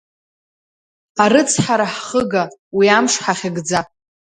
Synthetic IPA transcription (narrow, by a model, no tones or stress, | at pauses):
aɾɨt͡sʰħaɾaħχəɡawiamʂħaχʲɪɡd͡za